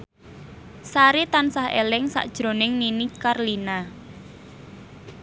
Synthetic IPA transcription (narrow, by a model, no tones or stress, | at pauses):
saɾit̪ansahḛlɪŋsa̰ʔd̥ʒ̥ɾo̤nɪŋninikarlina